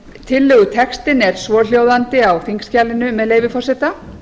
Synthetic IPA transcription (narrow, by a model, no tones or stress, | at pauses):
t̪ʰɪlːœːɣʏt̪ʰɛkst̪ɪnɛɾ̥svɔːɾl̥joːwðant̪ɪawθiŋkscalːɪnʏmɛðlejvɪfɔr̥sɛt̪a